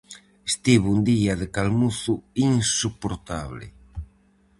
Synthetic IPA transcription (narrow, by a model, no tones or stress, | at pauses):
est̪iβund̪iaðekalmuθuiŋsupoɾt̪aβlɪ̰